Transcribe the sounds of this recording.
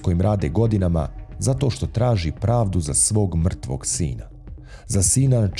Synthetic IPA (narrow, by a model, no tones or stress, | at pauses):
ko̞jimɾʔaːd̪eɡo̞d̪inama̰zat̪o̞ʃt̪o̞t̪ɾaːʒipɾaːʋd̪uzasʋo̞ːɡmr̩t̪ʋo̞̰ɡsḭːna | zasiːnanat͡ʃ